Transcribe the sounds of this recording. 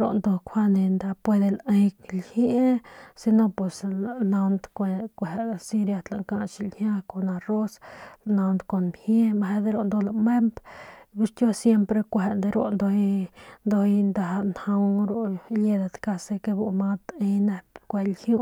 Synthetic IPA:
ɾo̰˧˨nd̪o˧kʷʰa˦ne˨nd̪a˧pwe˧d̪e˧le˧jklhje˦si˧no˦pwe˨sna˧nd̪kʷe˧kʷe˨˧si˧ɾja˧t̪la˨ŋka˧ʔt͡ʃi˧lhja˦ko˨na˧ro˦sna˧nd̪ko˨nmhje˦ma˧ɦe˧˦d̪e˦ɾo˧nd̪o˧la˧me˦mbbi˦ʂt̪jo˦sje˦mpɾe˧kʷe˧nd̪e˧ɾo˧nd̪o˧jnd̪o˧jnd̪a˧nha˧wɾo˧le˧d̪a˧t̪ka˧se˧ke˧bu˧ma˦t̪e˧jne˧pkʷe˧lhju˦˧

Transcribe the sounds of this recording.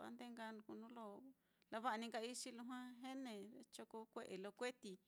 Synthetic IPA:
a̰˧nd̪e˦ŋɡa˧nũ˧ku˧nũ˦lo˧ | la˧βa˦a˧nĩ˧ŋka˧i˦ʃi˦lũ˧ɦwã˦ɦe˦nẽ˧e˧t͡ʃo˧ko˧kʷe˦ʔe˨lo˧kʷe˦t̪i˧

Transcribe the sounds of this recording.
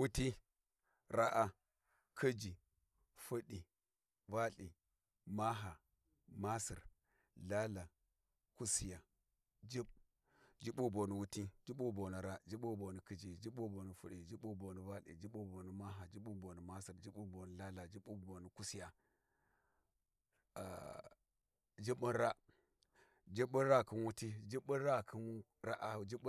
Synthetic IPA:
wu˦ti˦ | ɾa˦ʔa˦ | kʰɐ˦d͡ʒi˨ | fə˦ɗi˨ | va˦ɬi˨ | ma˦ɦa˨ | ma˦sḭ˨ɾ | la˦la˨ | ku˦si˦ja˨ | d͡ʒi˦b | d͡ʒi˦ɓu˦bo˨nu˨wu˦ti˦d͡ʒi˦ɓu˦bo˨ni˨ɾa˦d͡ʒi˦ɓo˦bo˨ni˨ki˦d͡ʒi˨d͡ʒi˦ɓo˦bo˨ni˨fṵ˦ɾe˨d͡ʒi˦ɓu˦bo˨ni˨ba˦lḛ˨d͡ʒi˦ɓo˦bo˨ni˨ma˦ɦa˨d͡ʒi˦ɓu˦bo˨ni˨ma˦si˨ɾd͡ʒi˦bu˦bo˨nə˨la˦la˨d͡ʒi˦ɓu˦bo˨ni˨ku˦si˦ja˨ | d͡ʒi˦ɓə˦ɾa˦ | d͡ʒi˦ɓə˦ɾa˦ki˦nwu˦ti˦d͡ʒi˦ɓə˦ɾa˦kʰi˦n˦ | ɾa˦ʔa˦˨d͡ʒi˦ɓ

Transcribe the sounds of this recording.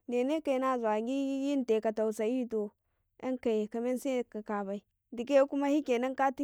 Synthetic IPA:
ne˨ne˦ka˨na˦˨za˨ɡi˦ji˦n˦te˨ka˨ta˨wu˨sa˨ji˦to˨ | ḛ˦ŋka˨jka˨me˦n˦se˦ka˨ka˨ba˨i˨ | di˨k̬e˦ku˦ma˦hi˦ke˨na˦ŋka˦ti˦

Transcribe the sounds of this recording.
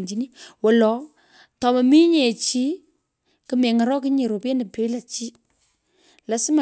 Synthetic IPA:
ɲd͡ʒi˨˦ni˦wɔ˨lɔ˨˦ | tɔ˨ma˨mi˦ɲe˨t͡ʃi˦ | kɨ˨me˨ŋa˨ɾɔ˦k̬ɨ˦ɲe˨ɾo˨pe˦ne˨pe˨˦la˨t͡ʃi˦ | la˨˦sɪ˦ma˨

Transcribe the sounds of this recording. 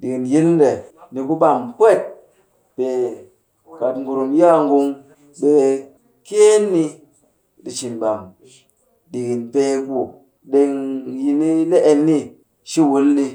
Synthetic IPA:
ɗi˨ki˨nji˦n˦n˦ɾe˨ni˨˧ku˦ɓa˨ŋpʷe˦˨t̚ | pe˨ | ka˨tŋ˨ɡu˨ɾu˨mja˦ŋɡu˧ŋ | ɓe˨ | ke˦nːi˧ | ɗi˨t͡ʃi˨nɓa˨ŋ | ɗi˨ki˨npe˦ku˨ | ɗe˧ŋji˧ni˦le˦ʔe˨nːi˦ | ʃi˦wu˨˦lli˧

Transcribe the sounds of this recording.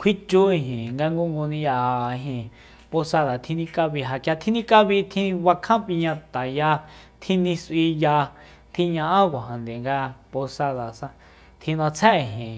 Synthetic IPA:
kʰi˦t͡ʃu˦i˧ɦĩ˨ŋɡa˧ŋɡu˦ŋɡu˧nĩ˧ja˧a˧˨i˧ɦĩ˧ | po˧sa˧ða˨t̪ʰĩ˧nĩ˧ka˧βi˧ɦa˧˨ka˧t̪ʰĩ˦˧nĩ˧ka˦βi˧t̪ʰĩ˧wa˧kʰã˦pi˧ɲã˧t̪a˨ja˧t̪ʰĩ˧nĩ˧si˧ja˧ | t̪ʰĩ˧ɲã˧ʔã˦kʷa˨ɦã˨nd̪e˨ŋɡa˧po˧sa˧ða˨sã˧ | t̪ʰĩ˧nã˧t͡sʰɛ̃˦˧˨ɦĩ˨

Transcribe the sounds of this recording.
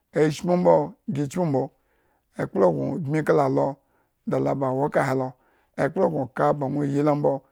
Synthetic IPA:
e˨i˦ʃmu˦m̩˦bo˦ɡʲi˨t͡ʃmu˦m̩˦bo˧ | e˨k͡plo˦˨ɡʷo̰˨ɡmi˦ka˦la˨lo˦ | da˨la˨ba˨wo˦ka˨he˨lo˧ | e˨k͡plo˦ɡʷo˨ka˦ba˨ŋʷo˦˨ji˦la˦m̩˦bo˦

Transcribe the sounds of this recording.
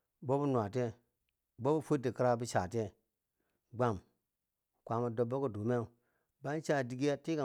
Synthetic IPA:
bo˦bu˦nwʷa˨te˦ | bo˦bu˦fu˦di˨ki˦ɾa˦bi˦t͡ʃa˨te˦ | ɡ͡ba˨m˨ | kʷa˨ma˨do˨bːo˦ko˦du˨me˦˨ | ba˦n˦t͡ʃa˦˨di˦ɡi˦ja˦ti˦ka˨

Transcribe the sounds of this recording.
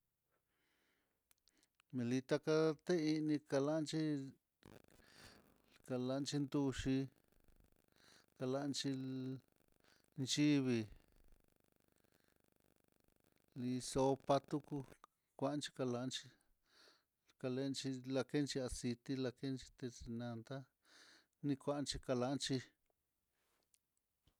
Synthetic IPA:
mẽ˨li˧t̪a˧ka˧t̪e˦i˧nĩ˧ka˧la˦˧nt͡ʃi˦ | ka˧la˧nt͡ʃi˧˦nd̪u˦˧ʃi˧ | ka˧la˧nt͡ʃi˧ | nt͡ʃi˦βi˧ | li˧so˧pa˧t̪u˦ku˧ | kʷa˧ʔnt͡ʃi̥˧ka˧la˧˦nt͡ʃi˧ | ka˧le˧˦nt͡ʃi˧la˧ke˦nt͡ʃi˧a˧si˧t̪i˦la˧ke˦nt͡ʃi̥˧t̪e˧si˧nã˧nd̪a˦ | nĩ˧kʷa˧˦˧nt͡ʃi˧ka˧la˧˦nt͡ʃi˧

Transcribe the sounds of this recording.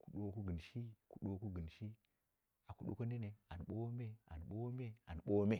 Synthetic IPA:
ku˨ɗo˦ku˦ɡə˨nʃi˦ku˨ɗo˦ku˦ɡə˨nʃi˦ | a˨ku˨ɗo̰˦ko˦n˦e˦ne˨a˨n˨ɓo˦me˦a̰˨nɓo˦me˦a̰˨nɓo˦me˦

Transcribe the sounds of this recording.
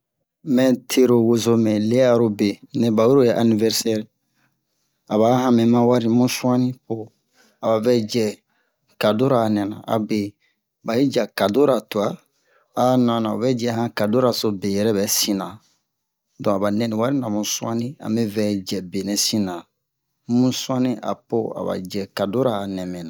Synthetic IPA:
mɛ̃˦tʰe˦ɾo˨wo˨zo˨mɛ̃˨le˦a˦ɾo˦be˨nẽ˨ba˨wu˦ɾo˦je˨ʔa˨ni˨vɛ˦ɾsɛ˦ɾ | a˨ba˨˦hã˦mɛ̃˨mã˦wa˦ɾi˦mũ˦sũ˦ã˦nĩ˦po˨ | a˨ba˨vɛ˦d͡ʒɛ˨ | ka˨do˦ɾa˨nɛ̃˨nã̰˨a̰˨be˨ | ba˨ji˦d͡ʒa˨ka˨do˦ɾa˨tu˨a˦ | a˨˦nã˨nã˨o˨vɛ˦d͡ʒɛ˨hã˦ka˨do˦ɾa˨so˦be˨jɛ˨ɾɛ˦bɛ˨sĩ˨nã˨ | dɔ̃˨a˨ba˨nɛ̃˦nĩ˨wa˦ɾi˦nã˨mũ˨sũ˦ã˦nĩ˦a̰˨mɛ˦vɛ˨˦d͡ʒɛ˨be˨nɛ̃˨sĩ˦nã˨ | mũ˦sũ˦ã˦nĩ˦ʔa̰˨po˦a̰˨ba̰˨d͡ʒɛ˨ka˨do˦ɾaː˨nɛ̃˨mɛ̃˨nã˨

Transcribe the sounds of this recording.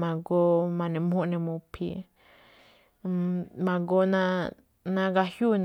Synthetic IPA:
mã˨ɡo˦mã˧nẽ˧mhũ˦ʔnẽ˧mũ˧pʰḭ˧ | mã˨ɡo˦nã˦ | nã˦ɡa˧hju˦˨n

